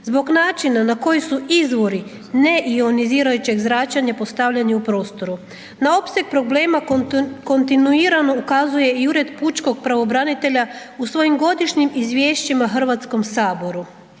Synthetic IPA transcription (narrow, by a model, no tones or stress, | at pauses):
zbo̞ɡnaːt͡ʃinanako̞jisuizʋo̞ɾi | ne̞ʔio̞niziːɾajut͡ɕe̞ɡzɾat͡ʃaɲapo̞st̪aʋʎaniupɾo̞ːst̪o̞ɾu | nao̞pse̞ɡ̚pɾo̞ble̞ːmako̞nt̪inuiːɾano̞ukazuje̞iuɾe̞d̪put͡ʃko̞ɡ̚pɾaʋo̞bɾanit̪e̞ʎa | usʋo̞jimɡo̞d̪iʃɲimizʋʲjeːʃt͡ɕimaɦr̩ʋat̪sko̞msaːbo̞ɾu